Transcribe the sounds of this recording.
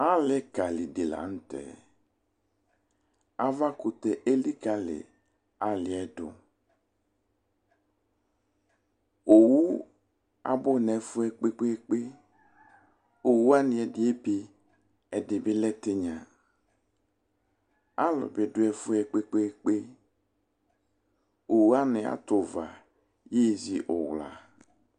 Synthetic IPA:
a˦lɛ˨˦ka˨li˨dɪ˨la̰˨n̩˦t̪ɛ̰˨ | a˦va˦kʊ˨t̪ɛ˨ʔe˦li˦ka˦lɪ̰˨ | a˦lɪ˨ɛ˦dʊ̰˦ | o˨wu˦ | a̰˨bʊ˦nɛ˨fʊ˦ɛ˨k͡pe˦k͡pe˦k͡pe˦ | o˨wu˦a˦nɪ̃˨ɛ˨dɪ˨e˦pe˨ | ɛ˨dɪ˨bɪ˦lɛ˦t̪e˦ɲã˨ | a˦lʊ̰˨bɪ˨˦dʊ˦ɛ˨fʊ˦ɛ˨k͡pe˦k͡pe˦k͡pe˦ | o˨wu˦a˦nɪ˨a̰˨t̪ʊ˨va̰˨ | je˦˨zi˨ʔʊ̰˨wla̰˨

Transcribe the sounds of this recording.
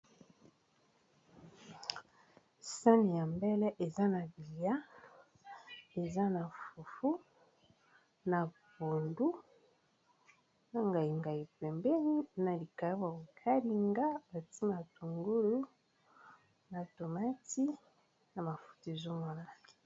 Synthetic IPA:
sa˦ni˨ja˨mbɛ˦lɛ˦ʔe˨za˦na˨bi˨li˨a˦ | e˨za˦na˨fu˨fu˦ | na˨bo˨ndu˦ | na˨ŋɡa˨i˨ŋɡa˨i˨pɛ˨mbɛ˦ni˦na˨li˨ka˨ja˦bwa˨bo˨kʰa˦li˦ŋɡa˦ba˨ti˦ma˨tu˨ŋɡu˦lu˦ | na˨to˨ma˦ti˦ | na˨ma˨fu̥˨te˨zo˦ma˨na˦˨li˨

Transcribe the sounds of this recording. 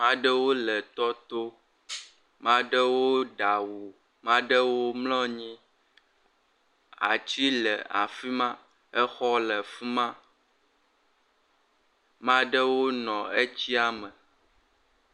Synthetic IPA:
mã˦ɖə˦wo˦lɛ˨t̪ɔ˦t̪o˦ | mã˦ɖə˦wo˦ɖa˨wu˨ | mã˦ɖə˦wo˦mlɔ̃˦ɲĩ˦ | a̰˨t͡ɕi˦lɛ˨a̰˨fi˦mã˦ | ɛ˦xɔ˦lɛ˨fi˦mã˦ | mã˦ɖə˦wo˦nɔ̃˨e˦t͡ɕi˦a˦mɛ̃˨

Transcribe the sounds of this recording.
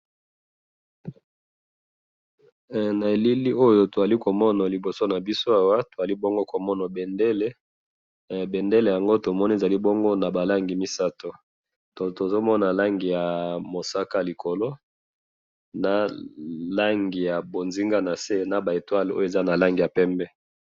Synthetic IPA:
na˨e˨li˦li˦o˦jo˦to˨za˨li˦ko˨mɔ˦na˨li˨bo˨so˦na˨bi˦so˦a˨wa˦to˨a˨li˦bɔ˦ŋɡo˦ko˨mɔ˦na˨bɛ˨ndɛ˦le˦ | bɛ˨nde˦le˨ja˨ŋɡo˦to˨mɔ˦ni˦˨za˨li˦bɔ˦ŋɡo˦na˨ba˨la˦ŋɡi˨mi˦sa˦to˨ | to˨to˨zo˦mɔ˦na˨la˦ŋɡi˨ja˨mo˨sa˦ka˦li˨ko˨lo˦ | na˨la˦ŋɡi˨ja˨bo˨nzi˦ŋɡa˦na˨se˦na˨ba˨e˨twa˦lo̰˦jo˦e˨za˦na˨la˦ŋɡi˨ja˨pɛ˦mbɛ˦

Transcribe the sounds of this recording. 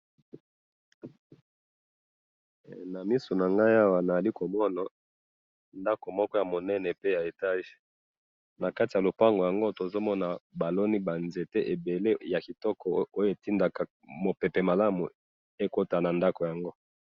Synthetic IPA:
na˨mi˦so˨na˨ŋɡa˦ja˦wa˨na˨a˨li˦ko˨mɔ˦na˨ | nda˦ko˨mɔ˦kɔ˦ja˨mo˨nɛ˦nɛ˨pe˦ja˨e˨ta˦ʒe̥˨ | na˨ka˦ti˨ja˨lo˨pa˦ŋɡo˨ja˨ŋɡo˦to˨zo˦mɔ˦na˨ba˨lo˦ni˦ba˨nze˨te˦ʔe˨be˨le˦ja˨ki˨tɔ˦kɔ˨o˦jo˨e˨ti˦nda˨ka˨ | mo˨pɛ˨pɛ˨ma˨la˦mṵ˨ | e˦ko˦ta˨na˨nda˦ko˨ja˨ŋɡo˦

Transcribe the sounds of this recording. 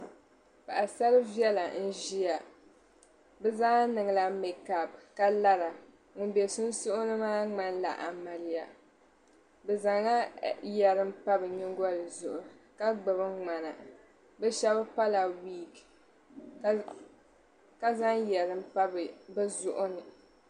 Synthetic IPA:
pa˨ʔa˨sa˦ɾɨ˦vi˦ɛ˦la˨n̩˦ʒi˦ja˨ | bɛ˦zaː˦nɨ˨ŋɨ˨la˨mɛ˨ka˨bka˦la˦ɾa˨ | ŋʊ˨˦be˨sʊ˦n˦sʊ˦ʔʊ˦nɨ˦maː˦ŋ͡ma˦n˦la̰˨ʔa̰˨ma˨lɪ˦ja˨ | bɛ˨za˨ŋa˦jɛ˨ɾɨ˦m˦pa˦bɨ˨ɲi˦ŋ˦ɡɔ˦lɨ˨zʊ˨ʔʊ˨ka˦ɡ͡bɨ˨bɨ˦ŋ͡ma˨na˨ | bɛ˦ʃɛ˦bɨ˦pa˦la˨wiː˦˨k | ka˦za˦ŋjɛ˨ɾɨ˦m̩˦pa˦bbɨ˦zʊ˦ʔʊ˦nɨ˨

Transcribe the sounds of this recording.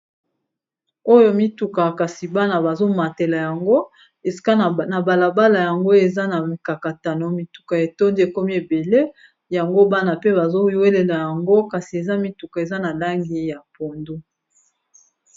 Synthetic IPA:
o˦jo˦mi˦tu˨ka˨ka˨si˨ba˦na˨ba˨zo˦ma˨te˨la˨ja˨ŋɡo˦ | e˨si̥˨ka˦˨na˨ba˨la˨ba˦la˨ja˨ŋɡo˦e˨za˦na˨ka˨ka˨ta˨no˨mi˨tu̥˨ka˨e˨to˦ndi˦e˨ko˦mi˦e˨be˨le˦ | ja˨ŋɡo˦ba˦na˨pe˦ba˨zo˦we˦le˨la˨ja˨ŋɡo˦ka˨si˨e˨za˦mi˦tu˨ka˨e˨za˦na˨la˦ŋɡi˦ja˨po˨ndo˦

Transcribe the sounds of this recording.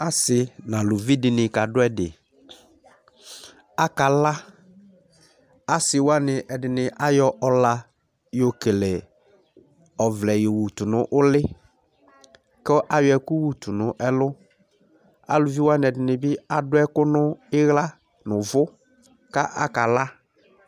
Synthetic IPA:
a˦sɪ˨nã˨lʊ˨vi˦dɪ˨nɪ˨ka˨dʊ˦ɛ˦dɪ̰˨ | a˦ka˨la˦ | a˦sɪ˨wa˦nɪ˨ʔɛ˨dɪ˨nɪ˨ʔa˦jɔ˦ʔɔ˦la˨ | jo˨ke˨lɛ˨ | ɔ˨vlɛ˨jo˨wu˨tʊ˨nʊ̃˦ʔʊ˦lɪ˦ | kɔ˦ʔa˨jʊ˨ɛ˨ku˦wu˨tu˨nʊ̃˨ʔɛ˦lʊ˦ | a̰˨lʊ˨vi˦wa˦nɪ˨ɛ˨dɪ˨nɪ˨bɪ˦a˨dʊ˦ɛ˦kʊ˦nʊ˦ɪ˦ɣla˦ | nʊ˨vʊ˦ | ka˦ʔa˦ka˨la˦

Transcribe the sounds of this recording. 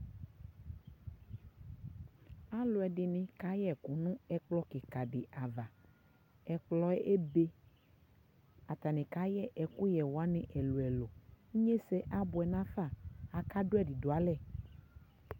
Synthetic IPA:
a˦lo˨˦ɛ˨ɖɪ˨nɪ̃˨ka˨˦jɛ˦˨ku˨nũ˦ɛ˨k͡plɔ˦ke˨ka˨ɖɪ˨ʔa˨va˨ | ɛ˨k͡plɔ˦ɛ˦ʔe˦be˦ | a˨t̪a˨nẽ˨ka˨˦jɛ˦ʔɛ˨ku˦jɛ˨wo˨a˦nẽ˨ʔɛ˨lo˨ɛ˨lo˨ŋ˦ɲe˦sɛ˦ʔa˦bo˨ɛ˨nã˦fa˦˨a˨ka˦ɖo˦ɛ˦ɖi˨do˨a˨lɛ˦˨

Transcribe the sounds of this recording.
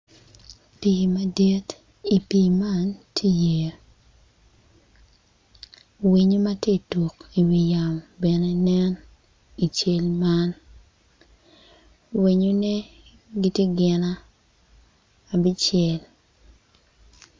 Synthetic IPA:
pi˨ma˨di˦t | i˨pi˨ma˦ntʰe˦je˨ | wi˨ɲo˦ma˦te˦to˨ki˨wi˨ja˨mbɛ˨ne˦nɛ˦n | i˨t͡ʃe˦lma˦n | wi˨ɲo˦ne˦ | ɡi˦tje˦ɡɪ˨na˦˨ | bi˦t͡ʃɛ˨l

